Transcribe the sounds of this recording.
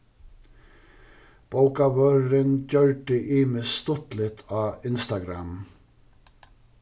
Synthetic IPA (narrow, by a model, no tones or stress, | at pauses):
b̥ɑʊkɑʋøɾənd͡ʒœɹʈəʔiːmeːst̪ɔt̪lɪt̪ʰɑːɪnst̪ɑɡɾɑ̰m